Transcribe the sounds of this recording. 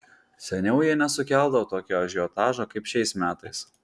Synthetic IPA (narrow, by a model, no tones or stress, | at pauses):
sʲɛnʲɛʊjiɛnʲɛsʊkʲæˑlˠd̪ɐʋot̪oːkʲoːɐʒʲɪɔt̪ɑːʒoːkɐɪpʃʲɛɪsmʲæːt̪ɐɪs